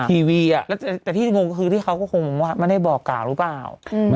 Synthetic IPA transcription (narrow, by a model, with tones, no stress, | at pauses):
iː˧wiː˧a˨˩lɛː˦˥t̪ːɛː˨˩t̪iː˥˩˧ŋo˧ŋkɔː˥˩xʰɯː˧t̪ʰiː˥˩kʰa˦˥wkɔː˥˩kʰo˧ŋmɔ˧ŋwaː˥˩nma˥˩nda˥˩jbɔː˨˩kːaː˨˩wɾɯː˦˥paː˨˩w